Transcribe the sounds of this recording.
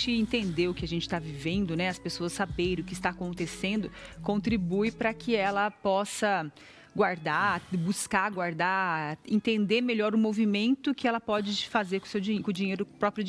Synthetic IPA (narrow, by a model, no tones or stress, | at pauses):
t͡ʃɪẽnt̪ẽnd̪ewʊkɪaʒẽnt͡ʃɪ̥t̪avivẽnd̪ʊnɛɐspesoɐsːabeɾ̃ʊkɪst̪aːkõnt̪esẽnd̪ʊkõnt̪ɾibujpɾɐkɪɛlɐpɔsɐ | ɡwaɾd̪abuskaɡwaɾd̪aẽnt̪ẽnd̪emeʎɔɾʊmovimẽnt̪ʊkɪɛlɐpɔd͡ʒɪfazeɾkõsewd͡ʒikõd͡ʒiɲejɾʊpɾɔpɾiʊ